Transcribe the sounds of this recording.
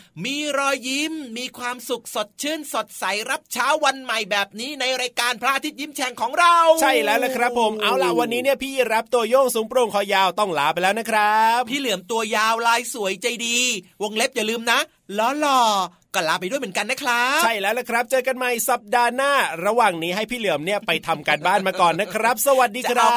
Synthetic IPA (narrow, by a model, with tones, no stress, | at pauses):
miː˧ɾɔː˧jːi˦˥mːiː˧kʰwaː˧msu˨˩k̚so˨˩t̪̚t͡ɕʰɯ˥˩nso˨˩t̪̚sa˩˦jɾa˦˥p̚t͡ɕʰaː˦˥wːa˧nma˨˩jbɛː˨˩p̚niː˦˥na˧jɾaː˧jkaː˧npʰɾaː˦˥ʔa˧˦˥t̪̚ji˦˥˩mt͡ɕʰɛː˧ŋkʰɔː˩˦ŋɾa˧wt͡ɕʰa˥˩jlɛː˦˥wla˧˥kʰɾa˦˥pʰːo˩˦mʔa˧wlaː˩˦wa˧nːiː˦˥ni˥˩ɐpʰiː˥˩ɾa˦˥p̚t̪u˧ɐjoː˥˩ŋsuː˩˦ŋpɾuː˧ŋkʰɔː˧˩jaː˧wt̪ɔ˥˩ŋla̰ː˨˦pa˧jlɛː˦˥wna˦˥kʰɾa˦˥p̚pʰiː˥˩lɯ˨˩˦əmt̪u˧ɐjaː˧wlaː˧jsu˨˩˦əjt͡ɕa˧jdiː˧wo˧ŋle˦˥p̚jaː˨˩lɯː˧mna˦˥ | lɔː˨˥lɔː˧˩ | kɔː˥˩laː˦˥pa˧jd̪u˥˩jmɯ˩˦ka˧nːa˦˥kʰɾa˦˥t͡ɕ̚ʰa˥˩jlɛː˦˥wla˧˦˩kʰɾa˦˥p̚t͡ɕɤː˧ka˧nma˧˩jsa˨˩p̚daː˧naː˥˩ɾa˧waː˨˩ŋniː˦˥ɦa˥˩jpʰiː˥˩lɯ˨˩˦əmni˥˩ɐpa˧jt̪ʰa˧mka˧nbaː˥˩nmaː˧kɔː˨˩nːa˦˥kʰɾa˦˥p̚sa˧wa˨t̪̚diː˧kʰɾa˦˥